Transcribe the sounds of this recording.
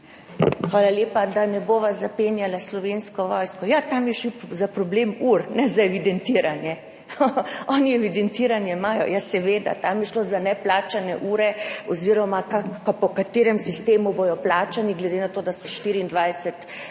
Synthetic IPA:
xʋaːlaljeːpad̪anɛboːʋazapenjalaslɔʋenskɔʋɔjskɔjat̪amjɛʃizapɾɔblemuɾnɛzaɛʋid̪ɛnt̪iɾanjɛ | ɔniɛʋid̪ɛnt̪iːɾanjɛmaːjɔ̰jasɛʋeːd̪a̰t̪amjɛʃlozanɛplaːt͡ʃanɛʔuːɾɛoziɾɔmakakpɔkat̪eːɾɛmsist̪eːmubojɔplaːt͡ʃaniɡlɛd̪enat̪oːd̪asɔʃt̪iɾiːnd̪ʋajsɛt̪

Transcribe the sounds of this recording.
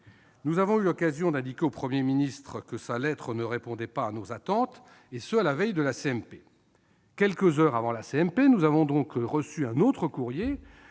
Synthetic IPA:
nuzavɔ̃ylɔkazjɔ̃d̪ɛ̃d̪ikʲeopχəmjeminist̪χəkəsalɛt̪χənəʁepɔ̃d̪ɛpaːnozat̪ɑ̃t̪ | esəalavɛjd̪əlaseɛmpe | kʲɛlkəzœʁavɑ̃laseɛmpenuzavɔ̃d̪ɔ̃kʁəsyɛ̃not̪χəkuʁje

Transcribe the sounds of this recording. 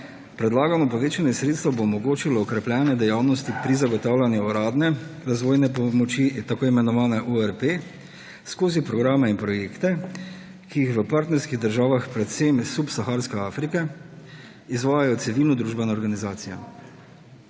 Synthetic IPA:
pɾɛd̪laːɡamɔpɔʋeːt͡ʃaniɛsɾeːt̪st̪aboːmɔɡoːt͡ʃilɔɔkɾɛplʲjɛːnɛd̪ɛjawnɔst̪ipɾizaɡɔt̪awlʲanjuɔɾaːd̪nɛɾazʋoːjnɛpɔmɔt͡ʃit̪akoːimɛnɔʋaːnaʔuɛɾpe | skoːzipɾɔɡɾaːmɛinpɾɔjeːkt̪ɛ | kijixʋəpaɾt̪nɛɾskiɣd̪əɾʒaːʋaxpɾɛt̪semsupsaxaːɾskɛaːfɾika | izʋaːjajɔt̪sɛʋiːlnɔd̪ɾuːʒbɛnaɔɾɡanizaːt̪sija̰

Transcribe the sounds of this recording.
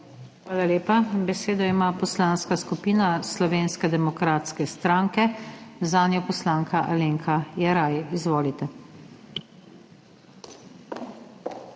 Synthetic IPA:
xʋaːlaleːpabɛseːd̪ɔimapɔslanskaskupiːnaslɔʋeːnskɛd̪ɛmɔkɾaːt̪skɛst̪ɾaːŋkɛzaːnjɔpɔslaːŋkaʔa̰leŋkʰajɛɾaːjɛizʋoːlit̪ɛ

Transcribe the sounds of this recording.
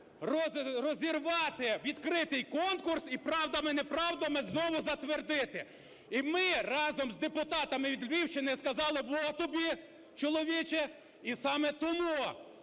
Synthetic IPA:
rɔrɔzʲirʋɑt̪ɪʋʲid̪kɾɪt̪ɪjkɔnkʊrsipɾɑwd̪ɐmɛnɛpɾɑwd̪ɐmɛznɔʋʊzɐt̪ʋerd̪ɪt̪ɪ | imɪrɑzɔmzd̪epʊt̪ɑt̪ɐmɪʋʲid̪lʲʋʲiwt͡ʃɪnɪskɐzɑlˠɪʋɔt̪ɔbʲi | t͡ʃɔlˠɔʋʲit͡ʃɛ | isɑmɛt̪ɔmu

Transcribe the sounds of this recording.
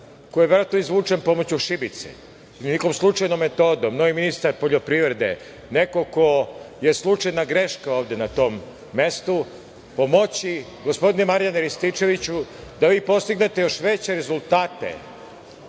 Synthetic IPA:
kojeʋeɾoat̪noizʋuːt͡ʂenpo̞mot͡ɕuʃibit̪sḛ | nikomslˠut͡ʂajnomːe̞t̪o̞ːd̪omnoʋiminist̪aɾpo̞ʎopɾiʋɾed̪ḛ | ne̞ko̞koje̞slˠut͡ʂajnaɡɾeʃkaoːʋd̪enat̪o̞ːmː | e̞st̪u | po̞mo̞t͡ɕi | ɡospod̪inemaɾijaneɾist̪it͡ʂe̞ʋit͡ɕud̪aʋiːpo̞st̪iɡne̞t̪ejo̞ʃʋe̞t͡ɕeɾezulˠt̪aːt̪ḛ

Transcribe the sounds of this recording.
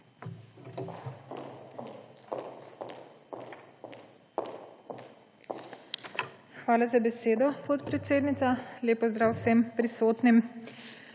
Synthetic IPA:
xʋaːlazabɛseːd̪ɔpɔt̪pɾɛt̪seːd̪nit̪saleːpɔzd̪ɾaːwsempɾisoːt̪nim

